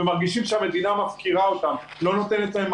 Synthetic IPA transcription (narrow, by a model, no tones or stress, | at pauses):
emaʁɡiʃimʃeame̞d̪inamafkiʁao̞t̪am | lo̞not̪e̞net̪laem